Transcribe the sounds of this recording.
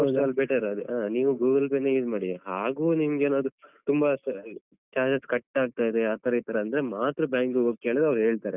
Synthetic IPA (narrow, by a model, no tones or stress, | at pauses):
d̪ɐlbeʈɐɾɐd̪eʔaːniːʋuɡuːɡɐlpeːnːejuːd͡ʒmaːɽiɦaːɡuːnimɡeːnoːd̪ut̪umbɐ | t͡ʃaːɾd͡ʒɐskɐʈːaːɡ̚t̪aːjd̪eaːt̪ːɐɾɐjt̪ɐɾeɐnd̪ɐɾemaːt̪ɾɐbjaːŋkuɡoke̞ːɭd̪eɐʋɾɦeːɭt̪aːɾe